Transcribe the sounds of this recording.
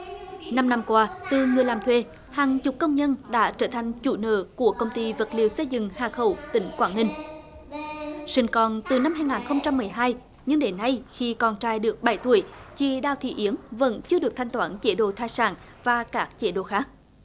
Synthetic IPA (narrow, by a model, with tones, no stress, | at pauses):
na˧mna˧mkwaː˧t̪ɨ˨˩ŋɨ˨˩əjlaː˨˩mt̪ʰwe˧ | haː˨˩ŋt͡ɕʊ˨˩k͡p̚kːə˧wŋ͡mɲə˧nɗa̰ː˧˥t͡ɕəː˧˩t̪ʰa˨˩jŋ̟t͡ɕu˧˩nə̰ː˧˨˩ku˧˩əkə˧wŋ͡mt̪i˧və˨˩t̚li˨˩əwsə˧jzɨ̰˧˨ŋhaː˨˩xə˧˩wt̪ï˧˨˦ŋ̟kwaː˧˩nːï˧ŋ̟ | sï˧ŋ̟kɔ˨˩nt̪ɨ˨˩na˧mhaː˧jŋaː˨˩nxə˧wŋ͡mt͡ɕa˧mːɨ˨˩əjɦaː˧j | ɲɨ˧ŋɗe˨˦nːa˧jxi˧kɔ˨˩nt͡ɕaː˧jɗɨ˨˩ək̚ɓa˧˩jt̪u˧˩əjt͡ɕi˨˩ɗa̰ː˧˨wt̪ʰḭ˧˨ʔi˨˦əŋvə̰˧˥nt͡ɕɨ˧əɗɨ˨˩ək̚t̪ʰjŋ̟t̪waː˧nt͡ɕe˧˦ɗo̰˧˨t̪ʰaː˧jsa̰ː˧˩n | vaː˨˩kaː˦˥k̚t͡ɕe˧˦ɗo̰˧˩xaː˦˥k̚